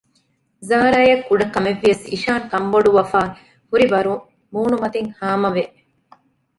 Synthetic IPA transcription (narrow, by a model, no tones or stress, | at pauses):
zaːɾaːjɐkːuɖɐkːɐmeʋːijɐsḭʃaːŋkɐmboɖuʋɐfaː | huɾiʋɐɾu | muːnumɐt̪iŋhaːmɐʋeʔ